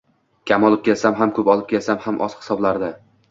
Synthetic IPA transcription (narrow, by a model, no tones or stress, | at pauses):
kʲʰamɒlˠɪp̚kʲʰe̞lsamɦamkʰɵpɒlˠɪp̚kʲʰelsamhamʔɒshɪ̥sɒblaɾd̪ɪ